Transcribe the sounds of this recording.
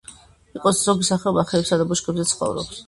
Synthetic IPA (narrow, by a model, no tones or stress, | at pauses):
iqʼɔszɔɡisaχɛɔbaχɛɛpsad̪abuʃkʼɛbzɛt̪sʰχɔ̰vɾɔ̰ps